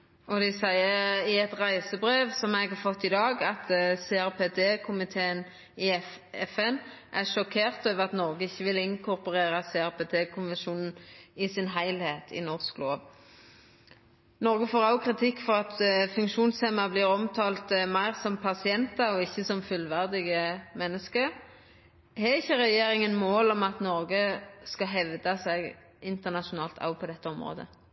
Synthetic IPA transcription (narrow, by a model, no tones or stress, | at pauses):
ɔd̪ɛsæɪəɪɛt̪ʁæɪsəbʁeːʋsɔmɛɡhɑɾfɔt̪ːɪd̪ɑːɡɑt̪sɛæʁpet̪ʰeːkʰʊmɪt̪ʰeːən | ɪɛfɛn | ʔæʂɔkʰeːʁt̪øːʋəʁɑt̪nɔʁɡəɪçːəʋɪlɪŋkʰʊɾpʊʁeːʁəseːæʁpeːt̪ʰeːkʰʊnʋɛnʃuːnn̩ɪsɪnɦæɪlheːt̪ʰɪ̰nɔʁskloːʋ | nɔʁɡəfoːʁɑʊkʰʁɪt̪ʰɪkːfɔʁɑt̪fʉŋkʃuːnseːmɑblɪːʁɔmt̪ʰɑːlt̪mæɪʁsɔmpʰɑsɪɛnt̪ɑɔɪçːəsɔmfʉlʋæʁd̪ɪɡəmɛnːəskə | hɛɪçːəʁɛjeːʁɪŋənmoːlɔmɑt̪nɔʁɡəskɑɦɛʋd̪ɑsæɡ | ɪnt̪əʁnɑʃʊnɑːlt̪ʰɑ̰ʊpʰɔd̪ɛt̪ʰːəɔmʁo̰ːd̪ə̰